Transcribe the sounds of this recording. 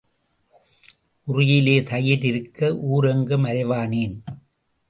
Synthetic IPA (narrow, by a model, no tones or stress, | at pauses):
ʔʊrʊjɪleːt̪ɐjɪɾɪɾɯkːɐʔuːɾɛŋɡɯmɐɾɐɪʋaːniːn